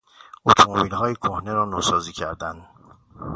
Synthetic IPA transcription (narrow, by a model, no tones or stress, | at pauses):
ot̪ʰomobiːlɦɒːjekʰohne̞ɾɒːnoːsɒːziːcʰæɾd̪ænd̪̥